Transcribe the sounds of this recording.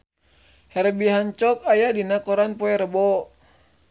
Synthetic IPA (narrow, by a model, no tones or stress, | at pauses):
hɛɾbiɦaɲt͡ʃɔkajadinakɔɾanpɔɛɾəbɔ